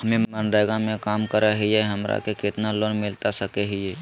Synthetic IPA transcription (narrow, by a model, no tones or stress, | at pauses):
ɦəmẽmənɖaːɡamẽkaːmkəɾaɦijeɦəmɾa̰kekɪt̪naloːnmɪlt̪asəkeɦijeː